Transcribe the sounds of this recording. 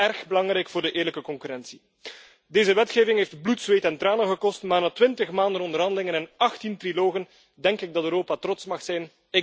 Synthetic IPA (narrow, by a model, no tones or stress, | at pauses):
ɛrxbəlɑŋɾɛjkfʊːrdəʔɪːrləkəkɔŋkyɾɛnsi̥ | deːzəʋɛtxeːvɪŋɦeːftblutsʋeːtɛntraːnənɣəkɔstmaːrnaːtwɪntəxmaːndənɔndərɦɑndəlɪŋənɛnɑxtintriloːɣən | dɛŋkɪɡ̚dɑtøːɾoːpatrɔtsmɑxsɛjn | ɪ